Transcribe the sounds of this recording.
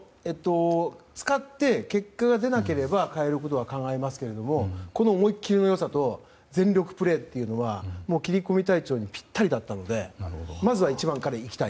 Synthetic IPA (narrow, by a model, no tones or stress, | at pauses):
e̞t̪ːo̞t͡sɨ̥kat̪ːe̞ke̞kːaɡad̪e̞nake̞ɾe̞bakae̞ɾɯ̟ko̞t̪o̞βakãŋɡae̞masɨ̥ke̞ɾe̞d̪o̞mo̞ko̞no̞ːmo̞ikʲːiɾʲino̞jo̞sat̪o̞ | d͡zẽ̞nɾʲo̞kɯ̟̥pɯ̟ɾe̞ːt̪ːe̞iɯ̟noβamo̞ːkʲiɾʲiko̞mʲit̪ait͡ɕo̞ːɲ̟ipʲi̥t̪ːaɾʲid̪at̪ːano̞d̪e̞mazɨβait͡ɕibãŋkaɾeikʲt̪ai